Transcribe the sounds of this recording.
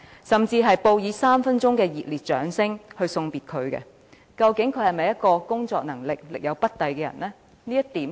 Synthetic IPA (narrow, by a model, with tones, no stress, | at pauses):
sɐ˨˩mt͡siː˧ɦɐ˨jpo˧wjiː˨˧saː˥mfɐ˥nt͡ʃʊ˥ŋkɛː˧jiː˨t̚liː˨t̚t͡ʃœː˨˥ŋsɪ˥ŋhɵ˧ɥsʊ˧ŋpiː˨t̚kʰɵ˨˧ɥkɛ̰˧ | kɐ˧wkɪ˨˥ŋkʰɵ˨˧ɥhɐ˨jmɐ˨jɐ˥t̚kɔː˧kʊ˥ŋt͡sɔ̰ː˧k̚nɐ˨˩ŋlɪ˨k̚lɪ̰˨k̚jɐ˨˧wpɐ˥t̚t̪ɐ˨jkɛː˧jɐ̰˨˩nlɛː˥ | niː˥jɐ˥t̚t̪iː˨˥m